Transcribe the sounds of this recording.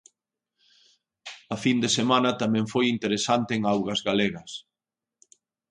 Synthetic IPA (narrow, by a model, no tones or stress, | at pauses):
ɐfind̪esemanɐt̪amɛ̃ŋfojint̪eɾesant̪eːŋawɣɐzɣaleɣɐs